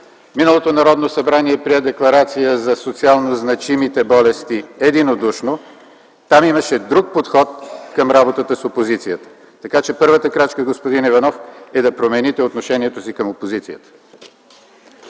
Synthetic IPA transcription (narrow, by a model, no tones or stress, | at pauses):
minəlˠot̪onɐɾɔd̪nosɐbɾaniɛpɾiɛd̪ɛklˠɐɾat̪sijəzɐsot̪sialˠnoznɐt͡ʃimit̪ɛbɔlɛst̪iɛd̪inod̪uʃno | t̪amimɐʃɛd̪ɾuk̚pot̪xɔt̪kɐmɾabot̪ət̪əsopozit̪sijət̪ə̥ | t̪ɐkat͡ʃɛpɤɾvət̪əkɾat͡ʃkəɡospod̪inivɐnɔfɛd̪ɐpɾomɛnit̪ɛot̪noʃɛniɛt̪osikəmopozit̪sijət̪ə̥